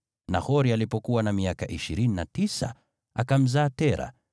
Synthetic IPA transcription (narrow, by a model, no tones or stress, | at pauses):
nahɔɾialipɔkuwanamiakaʔiʃiɾinina̰tisa̰ | akam̩zaːtɛɾa̰